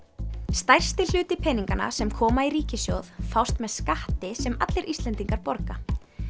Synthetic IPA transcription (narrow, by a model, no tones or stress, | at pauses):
st̪ajr̥st̪ɪl̥ʏːt̪ɪpʰɛniŋkana̰sɛmkʰɔːmaiɾiːcɪsjowðfawst̪mɛðskaht̪ɪsɛma̰t̪lɪɾʔist̪lɛnt̪iŋkaɾpɔɾka